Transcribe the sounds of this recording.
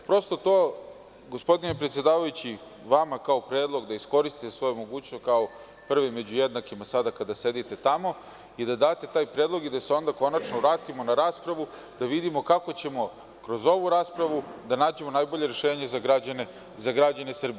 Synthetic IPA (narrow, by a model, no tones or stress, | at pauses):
pɾo̞st̪o̞t̪o̞ː | ɡo̞spo̞d̪ine̞pɾet̪sje̞d̪aːʋajut͡ɕi | ʋamakao̞pɾe̞ːd̪lˠo̞ɡd̪aisko̞ɾist̪it̪esʋo̞jmo̞ɡuːt͡ɕnost̪̚kao | pr̩ʋimːe̞d͡ʑujed̪nakimasad̪akad̪ase̞d̪it̪e̞t̪amo̞ | id̪ad̪aːt̪e̞t̪aːjpɾe̞ːd̪lˠo̞ɡid̪aseo̞nd̪ako̞nat͡ʃnoʋɾaːt̪imo̞naɾaːspɾaʋu | d̪̥aʋid̪imo̞kako̞t͡ɕe̞mo̞ | kɾo̞zo̞ʋuɾaːspɾaʋud̪anaːd͡ʑe̞mo̞najbo̞ʎe̞ɾeʃeːɲazaɡɾad͡ʑane | zaɡɾad͡ʑanesr̩bie